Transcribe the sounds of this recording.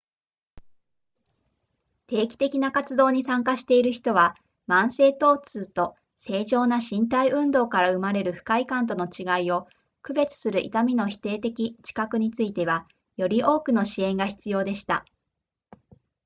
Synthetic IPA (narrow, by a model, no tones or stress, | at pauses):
t̪e̞ːkʲi̥t̪e̞kʲinakat͡sɨd̪o̞ːɲ̟isãŋkaɕi̥t̪e̞iɾɯ̟çi̥t̪o̞βa | mãɰ̃se̞ːt̪o̞ːt͡sɨːt̪o̞ | se̞ːʑo̞ːnaɕĩnt̪aiʔɯ̟̃nd̪o̞ːkaɾaɯ̟maɾe̞ɾɯ̟ɸɯ̟̥kaikãnt̪̬o̞no̞t͡ɕiɡaio̞ | kɯ̟be̞t͡sɨ̥sɨɾɯ̟ʔḭt̪amʲino̞çi̥t̪e̞ːt̪e̞kʲit͡ɕi̥kakɯ̟ɲ̟it͡sɨit̪e̞βa | jo̞ɾʲiʔo̞ːkɯ̟no̞ɕiẽ̞ŋɡaçi̥t͡sɨjo̞ːd̪e̞ɕi̥t̪a̰